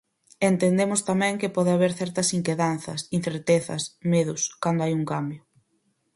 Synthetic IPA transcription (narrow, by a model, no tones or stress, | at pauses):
ent̪end̪emʊst̪amɛ̃ŋkɪpɔðeaβeɾθɛɾt̪ɐsiŋkeðanθɐsin̟θeɾt̪eθɐ̰smeðʊskand̪oajuŋkambjʊ